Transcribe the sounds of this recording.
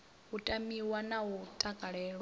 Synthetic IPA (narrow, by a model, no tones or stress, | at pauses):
ɦutʼamiwanaut̪ʼakʼaɺɛːɺ